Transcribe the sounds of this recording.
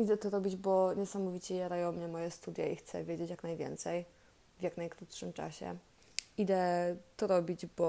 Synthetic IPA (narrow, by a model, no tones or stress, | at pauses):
id̪ɛt̪ɔɾɔbʲid͡ʑbɔɲɛsamɔvʲit͡ɕɛjaɾajɔ̃w̃mɲɛmɔjɛst̪ud̪ʲjaixt̪sɛ̰vʲjed͡ʑet͡ɕjaknajvʲjɛ̰nt̪sɛj | vʲjaknajkɾut̪ʂɘmt͡ʂa̰ɕɛ̰ | id̪ɛt̪ɔɾɔbʲid͡ʑbɔ